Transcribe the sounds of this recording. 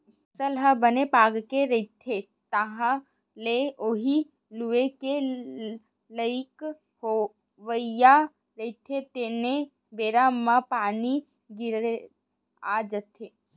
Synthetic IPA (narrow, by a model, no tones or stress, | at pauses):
səlɦəbənepaːɡkeɾɐɪt̪ʰe | t̪əɦã | leoɦi | luʋeke | ləɪk | ho | ʋəja | ɾəɪt̪ʰet̪ene | beːɾamãpaːni | ɡɪɾe | ad͡ʒət̪ʰe